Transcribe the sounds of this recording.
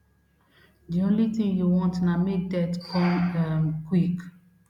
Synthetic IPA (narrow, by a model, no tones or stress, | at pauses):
diõnlitĩŋjuwɔ̃ntnamidɛtkʰɔ̃makwik